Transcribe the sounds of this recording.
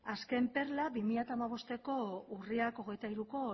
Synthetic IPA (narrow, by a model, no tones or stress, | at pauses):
aske̞mpe̞ɾlabimiʎat̪aːmaβ̞o̞st̪e̞ko̞uriako̞ɣe̞jt̪aiɾuko̞